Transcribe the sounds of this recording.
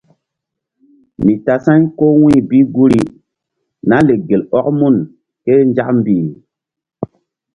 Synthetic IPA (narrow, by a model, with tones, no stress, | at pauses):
mi˨ta˨sã˦ɲko˦wĩ˦˨bi˦ɡu˦ɾi˦ | na˦le˨ɡe˨lɔ˦kmu˦˨n | ke˦n˦d͡ʒa˦km˦bi˨m˨